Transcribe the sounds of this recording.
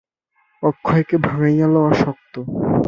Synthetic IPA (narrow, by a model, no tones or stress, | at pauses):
ɔkʰːɔekebʱaŋajjalɔwaɾʃɔk̚t̪o